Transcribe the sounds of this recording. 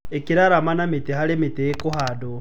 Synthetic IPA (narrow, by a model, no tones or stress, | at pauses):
ekiɾaɾamanamitehaɾemitejekoɦado